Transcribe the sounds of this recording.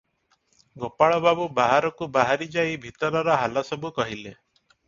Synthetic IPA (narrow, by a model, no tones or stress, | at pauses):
ɡopaɭɔbabubaɦaɾɔkubaɦaɾid͡ʒaibʱit̪ɔɾɔɾɔɦalasɔbukɔɦile